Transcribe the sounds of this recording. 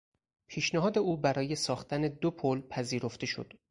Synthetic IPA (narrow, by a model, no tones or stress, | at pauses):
pʰiːʃneɦɒːd̪e̞uːbæɾɒːje̞sɒːxt̪æne̞d̪opʰolpʰæziːɾo̞ft̪e̞ʃo̰d̪̥